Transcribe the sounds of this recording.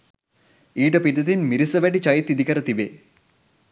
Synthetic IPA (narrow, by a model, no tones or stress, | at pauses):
iːʈəpid̪ɐd̪inmiɾisəʋæɖit͡ʃɐjt̪ːid̪ikəɾət̪ibe